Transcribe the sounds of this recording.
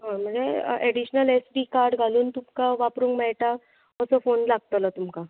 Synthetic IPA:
ɦãm̤əɳd͡zḛeɽiɕnəlesɖiːkaɾɖɡʱaluːnt̪umkaʋapɾuːŋkmɛɭʈa | əsɔfonlaɡ̚t̪ələt̪umka

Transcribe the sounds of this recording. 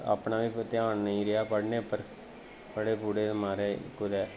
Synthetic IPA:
a̰ːpɳaːʋiːt̪ɪjaːnnəĩːɾɪaːpəɽneːpəɾ | pəɽeːpuːɽeːd̪maːɾeːkʊd̪ɛː

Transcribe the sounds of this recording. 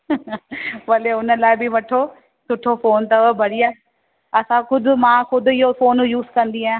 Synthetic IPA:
ʋɐleʊnəlaːɪbɪʋɐʈʰo | sʊʈʰofoːnt̪ɐʋəbʱɐɽiaː | ɐsãkʊd̪ʱʊmãːxʊd̪ʱʊɪɦofoːnjuːzkɐ̃nd̪iɦaːẽ

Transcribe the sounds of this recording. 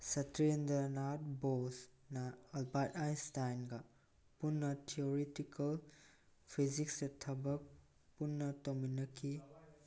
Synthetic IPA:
sɐtɾendɐnat̚bosnɐːlbajtajstajnɡɐ | punːɐtʰioɾetikʰɐl | pʰiziksetʰɐbɐk̚ | punːɐtominɐkʰːi

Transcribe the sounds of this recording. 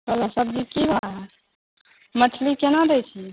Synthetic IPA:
kəlasəb̚d͡ʒikiba | mət͡ʃʰlikenad̪ɛjt͡ʃʰi

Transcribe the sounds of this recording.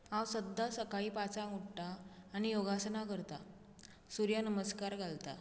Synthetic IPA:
ãwsəd̪ʱːasəkaɭipat͡saŋuɽʈaːnijoɡasnakəɾt̪a | suɾjanəməskaɾɡʱalt̪a̰

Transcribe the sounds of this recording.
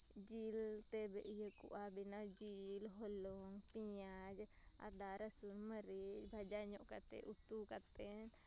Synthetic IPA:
d͡ʒilt̪ɛbɛʔijəkṵʔabinad͡ʒi | lɦɔlɔŋpiɲa | d͡ʒ | a̰d̪aɾəsunməɾid͡ʒbʱad͡ʒaɲɔʔkat̪ɛ̰ʔut̪ukat̪ɛ | n

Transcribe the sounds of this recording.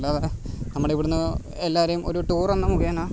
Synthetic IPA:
lːɐɐðɐnɐmːɐɽeiʋoɽunːɐ | elːaːʋɐɾɐjumo̞̰ɾuʈuːrenːamukɐjaːnaː

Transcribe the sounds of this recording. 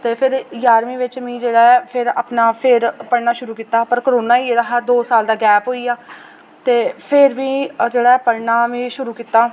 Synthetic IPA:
t̪eːpʰɪɾjaːɾmĩːʋɪt͡ʃmĩːd͡ʒeːɽaːpʰɪɾa̰ːpnaːpʰɪɾpəɽnaːʃʊɾuːkiːt̪aːpəɾkəɾoːnaːiːedaɦaːd̪oːsaːld̪aːɡɛːpɦoːiːaː | t̪eːpʰɪɾʋĩːd͡ʒeːɽaːɛpəɽnaːʋẽːʃʊɾuːkiːt̪ːaː

